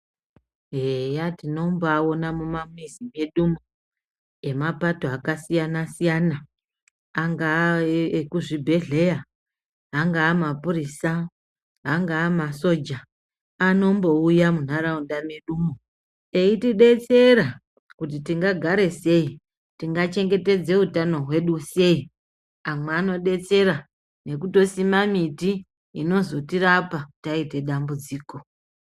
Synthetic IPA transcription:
ɦejatino̞mboao̞namumamizime̞ɗumo | e̞mapato̞akasijanasijana | aŋɡaekuʐibʱe̞ɮe̞jaː | ŋɡaːmapurisa | ɦaŋɡaːmaso̞d͡ʒaː | no̞mbo̞ujamun̤aɾaundameɗumo | eitiɗe̞t͡se̞ɾa | kutitiŋɡaɡʱaɾe̞se̞i | tiŋɡat͡ʃe̞ŋɡe̞te̞d͡ze̞utano̞ɦwe̞ɗuse̞i | amweːno̞ɗe̞t͡se̞ɾa | ne̞kuto̞simamiti | ino̞zo̞tirapakutaite̞ɗambud͡ziːko̞

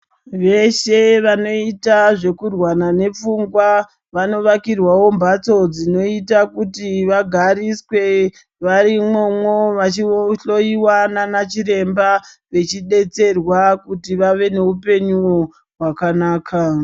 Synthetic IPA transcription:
ʋe̞ʃe̞ʋano̞itaʐe̞kurwanane̞p͡fuŋɡwa | ʋano̞ʋakirwawo̞mbat͡so̞d͡zino̞itakutiʋaɡʱaɾiswe̞ | ʋaɾimo̞mwoʋat͡ʃioɬo̞jiwananat͡ʃiɾe̞mba | ʋe̞t͡ʃiɗe̞t͡se̞rwakutiʋaʋe̞ne̞upe̞ɲuwo̞ | ɦwakanaːkʰa

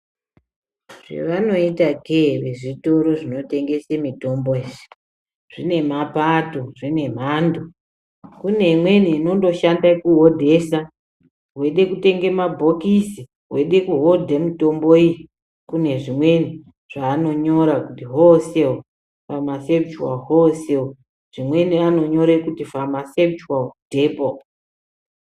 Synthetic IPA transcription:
ʐḛʋano̞itaɡʱeʋe̞ʐito̞ɾo̞ʐino̞te̞ŋɡe̞semito̞mboeːʐi̥ | ʐ̥ine̞mapatoʐine̞m̤ando | kune̞imwe̞niːno̞ndo̞ʃandakuɦodʱe̞ːsa | ɦwe̞ɗe̞kute̞ŋɡe̞mabʱo̞kisi | ɦwe̞ɗe̞kuɦo̞dʱemitomboi | kune̞ʐimwe̞ni | ʐ̥aːno̞ɲo̞ɾakutiɦoseo | famasept͡ʃuwa̰ɦoseo | ʐ̥imwe̞niano̞ɲo̞ɾekutifamase̞p̚t͡ʃuwadʱeːpo

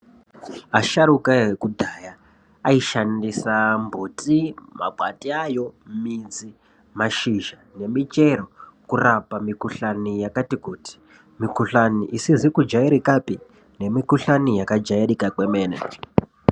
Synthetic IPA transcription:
aʃaɾukaɦekudʱaːjaː | iʃandisambʱotima̰bʱwa̰tiajo̞mid͡zi | maʃiʒane̞mit͡ʃe̞rokurapamikuɬanijakatikuːti̥ | mikuɬaniʔisizikud͡ʒaiɾikapi | ne̞mikuɬanijakad͡ʒairikakwemeːnḛd͡ʒ

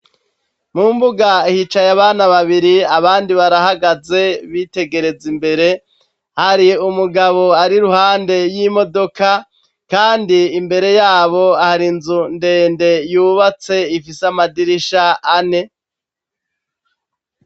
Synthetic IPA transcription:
mumbuɡaihit͡ʃajaβaːnaβaβiɾiaβaːndiβaɾahaɡaze̞βite̞ɡe̞ɾe̞zimbe̞ɾe̞ | haɾiumuɡaβo̞aɾiɾuhaːnde̞jiːmo̞do̞ka | kaːndiːmbe̞ɾe̞jaːβo̞ahaɾinzunde̞ːnde̞juβat͡se̞ifisamadiɾiʃaːne̞

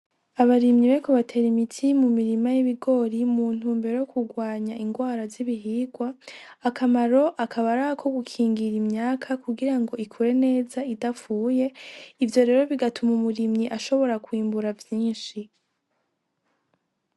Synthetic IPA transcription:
aβaɾimɲiβekoβatʰe̞ːɾimitʰimumiɾimajiβiɡo̞ːɾimuːn̥uːmbeɾojokʰuɡwaːɲaiŋɡwaːɾaziβiɦiːɡwaːkamaɾo̞ʔakʰaβaɾaakʰo̞ɡukʰiːŋɡiɾimɲaːkʰakuɡiɾaŋɡo̞ikʰuɾe̞ne̞ːzaidafuːje̞ivjo̞ɾe̞ːɾo̞βiɡatumumuɾimɲiʔaʃo̞βo̞ɾakwiːmbuɾavjiːnʃi

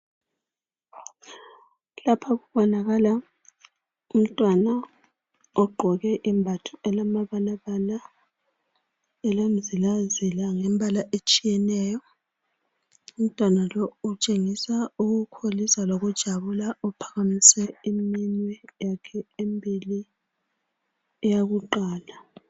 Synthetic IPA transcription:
lapʰaɣuβɔnaɣala | um̩tʼwana | ɔɡ͡ǃʱɔɣɛʔimbʱatʰuɛlamaβalaβala | ɛlam̩zilazilaŋɛmbʱalaʔet͡ʃʼijɛnɛjɔ | um̩tʼwanalɔut͡ʃʼeŋisauɣukʰolisaloɣud̥ʒ̥ʱaβulaɔpʰḁɣamisɛimiɲwɛjakʰɛembʱili | ɛjaɣuǃaːla

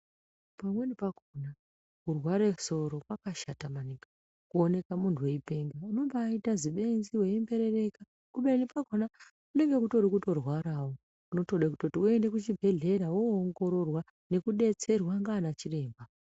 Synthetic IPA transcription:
pamwenipakona | kurwaɾeso̞ɾo̞kwakaʃatamanikɡa | kuone̞kamuntʰuwe̞ipe̞ŋɡauno̞mbaːitaziɓe̞nziweimbe̞ɾe̞re̞ka | kuɓenipakona | kune̞ŋɡe̞kuto̞ɾikuto̞rwaɾawo | uno̞to̞ɗakutotiue̞nde̞kut͡ʃibʱe̞ɮe̞ɾawoːŋɡo̞ɾo̞rwa | ne̞kuɗe̞t͡se̞rwaŋɡaːnat͡ʃire̞ːmba

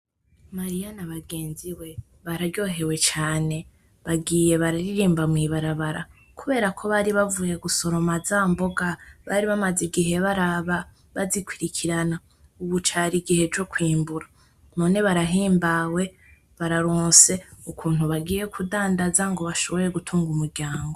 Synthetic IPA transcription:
maɾijanaβaɡe̞ːnziwe̞ | βaɾaɾjo̞ɦe̞we̞t͡ʃaːne̞ | βaɡiːje̞βaɾaɾiɾiːmbamŋiβaɾaβaɾa̰ | kuβe̞ːɾakʰo̞βaɾiβavuje̞ɡuso̞ɾo̞mazaːmbo̞ɡaβaɾiβamaziɡiɦe̞βaɾaβa | βazikwiɾikʰiɾana | uβut͡ʃaɾiɡihe̞d͡ʒo̞kwiːmbuɾa | none̞βaɾaɦiːmbawe̞ | βaɾaɾoːnse̞ukʰuːn̥huβaɡiːje̞kʰudaːndazaŋɡo̞βaʃo̞βo̞ɾe̞ɡutʰuːŋɡumuɾɟaːŋɡo̞

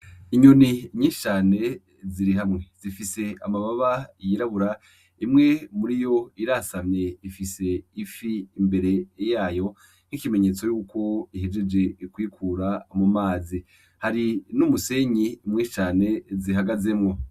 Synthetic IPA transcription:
iɲuniɲit͡ʃaːne̞ | ziɾiɦamŋe̞z̥ifise̞amaβaβajiɾaβuɾa | imŋe̞muɾijo̞iɾasamɲe̞ifise̞ifiːmbe̞ɾe̞jaːjo̞ | n̥ikime̞ɲe̞t͡so̞juːkʰo̞iɦed͡ʒe̞d͡ʒe̞kwiːkʰuɾamumaːzi | haɾinumuse̞ɲiːmŋet͡ʃaːne̞ziɦaɡaze̞mŋo̞

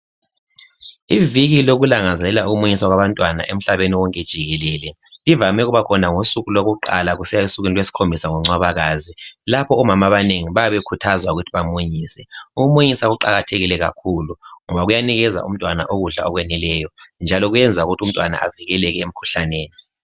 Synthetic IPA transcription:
iviɣiloɣulaŋazɛlɛlauɣumuɲiswaɣwaβantʼwana̰ʔem̩ɬaβeniwɔŋkʼed̥ʒ̥ʱiɣɛlɛlɛ | livamɛɣuβakʰɔnaŋosuɣuloɣuǃa̰laɣusɛjausuɣinilwesi̥kʰombʱisaŋɔŋ͡ǀaβaɣaːzilapʰɔːmamaβaneŋiβajaβekʰutʰazwauɣutʰiβamuɲiːsɛuɣumuɲisaɣuǃaɣatʰeɣilɛɣa̰kʰuluŋɔβaɣujaniɣɛza̰ʔṵm̩tʼwana̰ʔoɣuɮa̰ɔɣwɛnilɛjɔnd͡ʒʱalɔɣujɛnd͡zʱauɣutʰum̩tʼwana̰ʔa̰viɣɛlɛɣɛem̩kʰu̥ɬaneːni

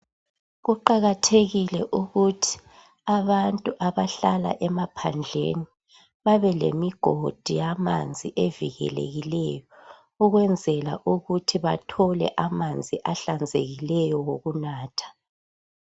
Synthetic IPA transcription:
ɣuǃaɣatʰeɣilɛʔuɣutʰi̥ | aβantʼuʔaβaɬala̰ʔɛmapʰand͡ɮʱḛni | βaβɛlḛmiɡ̥ʱod̥ʱijama̰nd͡zʱiʔeviɣɛ̰lḛɣilɛjɔ | uɣwɛnd͡zʱɛla̰ʔuɣutʰiβatʰɔlɛ̰ʔamand͡zʱiʔaɬand͡zʱḛɣilɛjɔwoɣunaːtʰḁ

